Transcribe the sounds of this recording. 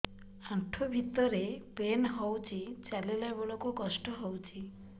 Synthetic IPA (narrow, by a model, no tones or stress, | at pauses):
ãʈʰobʱit̪ɔɾepenɦɔwt͡ʃʰit͡ʃalilebɔɭokukɔsʈɔɦɔwt͡ʃʰi